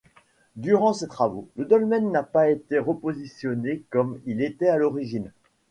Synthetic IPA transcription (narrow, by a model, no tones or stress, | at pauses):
d̪yʁɑ̃set̪χavoləd̪ɔlmɛnːapaet̪eʁəpozisjɔnekɔmilet̪ɛalɔʁiʒin